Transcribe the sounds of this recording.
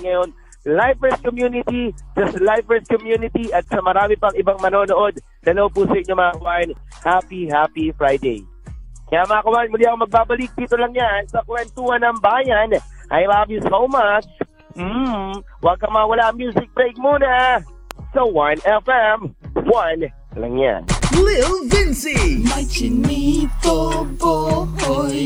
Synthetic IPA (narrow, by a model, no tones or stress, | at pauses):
ŋɐjo̞n | lajvɛs̚komjunɪt̪id͡ʒɐst̪lajvɛs̚kɔmjunɪt̪iʔɐt̪̚sɐmɐɾaːmɪpɐŋɪbaŋmɐnoːnoʔo̞d̪̚ | d̪ɐloʔop̬usɐʔɪɲːo̞mɐŋakɐwaʔɪn | hapiɦapifɹajd̪ḛj | kɐjamɐŋakɐwaːʔɪnmʊliːʔɐkoŋmɐɡ̚baːbɐlɪk̚d̪iːt̪o̞lɐŋjansɐkʊwɛnt̪uːhɐnɐmbaːjɐn | ʔɐjlaːbisowmɐt͡ʃ | mm̩wɐɡ̚kɐmawɐlaʔɐŋmjuːsɪk̚pɾejɡ̚muːnɐ | sɐwɐnɛfɛmwɐn | lɐ̰ŋja̰nlɪlvɪnsimɐt͡ʃɪnitobo